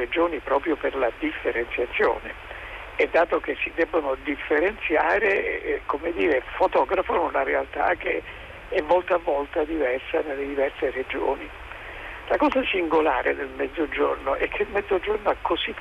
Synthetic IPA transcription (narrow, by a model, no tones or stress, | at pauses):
ed͡ʒoːnipɾɔːpɾjoperlad̪ifːeɾent̪sjat̪sːjo̰ːnḛ | ɛd̪ːaːt̪okesːid̪ɛbːonod̪ifːeɾent̪sjaːɾekomed̪iːɾefot̪ɔːɡɾafonunaɾealt̪a̰k̟e | ɛmːolt̪avːɔlt̪ad̪ivɛrsanelːed̪ivɛrsered͡ʒo̰ːni | lakɔːzasiŋɡolaːɾʔḛd̪elmɛd̪zːod͡ʒo̰rnoʔɛkʰːeilmɛd̪zod͡ʒornoɛkʰːozi